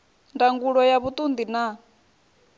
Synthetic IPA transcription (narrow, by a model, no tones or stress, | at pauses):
ndaŋɡuɺɔjaβut̪ʼund̪ina